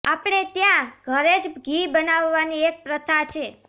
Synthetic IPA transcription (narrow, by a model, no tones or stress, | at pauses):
apɽ̃et̪jãɡʱəɾed͡ʒɡibənaʋːaniek̚pɾət̪ʰat͡ʃʰe